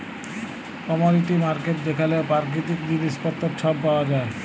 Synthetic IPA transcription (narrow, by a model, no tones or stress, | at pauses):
kɔmoɾiʈimaɾkeʈ̚d̪ekʰaleopaɾk̬ɾit̪ikd̪iniʃpɔt̪ʰːoɾt͡ɕʰɔbpaoad͡ʑae